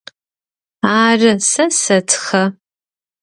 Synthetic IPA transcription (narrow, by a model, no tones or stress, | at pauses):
aːrɨsɐsɐtʰχɐ